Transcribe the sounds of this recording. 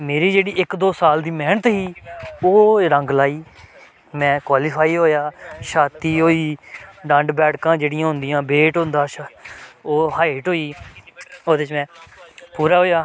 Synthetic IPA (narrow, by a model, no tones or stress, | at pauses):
meːɾiːd͡ʒeːɽiːɪkd̪oːsaːld̪iːmɛːnət̪ɦiːoːɾə̃ŋɡlaːiː | mɛ̃ːkwaːlɪːpʰaːiːɦoːjaːʃaːt̪iːɦoːiːɖə̃ɳɖbɛːɽkãːd͡ʒeːɽɪjãːɦʊ̃nd̪ɪjãːbeːʈɦʊ̃nd̪aːʃ | oːhaːɪʈɦoːiː | oːd̪eːt͡ʃmɛ̃ːpuːɾaːɦoːjaː